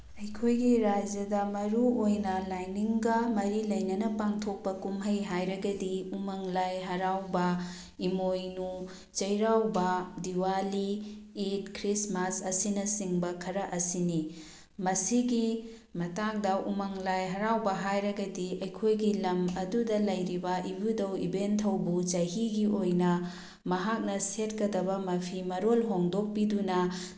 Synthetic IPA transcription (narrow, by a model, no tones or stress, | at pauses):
ɐjkʰojɡiɾad͡ʒjɐdɐmɐɾuojnɐlajniŋɡɐmɐɾilɐjnɐnɐpaŋtʰok̚pɐkumɦɐjɦajɾɐɡɐdiumɐŋlajɦɐɾawbɐ | imojnu | t͡ʃɐjɾawbɐdiwaliitkɾismasɐsinɐsiŋbɐkʰɐɾɐʔɐsini | mɐsiɡi | mɐtak̚dɐʔumɐŋlajɦɐɾawbɐɦajɾɐɡɐdiʔɐjkʰojɡilɐmɐdudɐlɐjɾibɐʔibudɐwibentʰɐwbut͡ʃɐɦiɡiʔojnɐ | mɐɦak̚nɐset̚kɐdɐbɐmɐpʰimɐɾolɦoŋdok̚pidunɐ